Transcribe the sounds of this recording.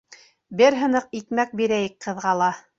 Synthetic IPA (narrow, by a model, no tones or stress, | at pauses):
bɘɾɦɤ̆nɤqikmæk̚biɾæjɘk̚qɤ̆ðʁɑlˠɑ